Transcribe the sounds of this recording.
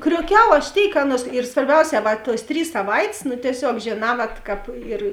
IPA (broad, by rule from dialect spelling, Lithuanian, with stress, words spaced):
krʲuɔˈkʲɛʊ ɐʃ ˈtʲeːɪk ˈɑːˌnuɔs ɪr sʋɐrʲˈbʲɛʊˌsʲɛː ˈʋɐ tuɔs ˈtʲrʲiːs sɐˈʋɐɪtʲsʲ nʊ tʲiɛˈsʲoːk ʒʲeːˈnɑː ˈʋɐt ˈkɑːp ɪr